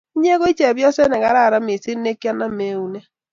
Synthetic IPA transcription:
i˦ɲ˦e˦ɣo˦i˦t͡ʃe˨βjɔ˦sɛ˦nɛ˨ɣa˨ɾa˦˨ɾa˦mi˨si˦ne˦ki˦a˦na˦me˨˦u˦ne˦

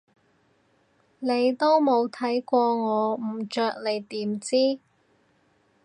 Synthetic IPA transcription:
ne˨˧jt̪o˥wmo˨˧wt̪ʰɐ˨˥jkʷɔː˧ŋɔː˨˧m̩˨˩t͡ʃœː˧k̚le˨˩jt̪iː˨˥mt͡siː˥

